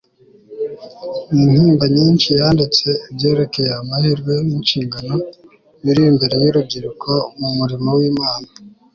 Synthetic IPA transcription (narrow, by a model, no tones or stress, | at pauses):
niːn̥hiːmbaɲiːnʃijaːndit͡se̞ibje̞ːɾe̞ke̞jeamaheɾɡwe̞ninʃiːŋɡano̞ | jiɾijimbe̞ɾe̞jiɾub̚ɟiɾukʰamumuɾimawiːmaːna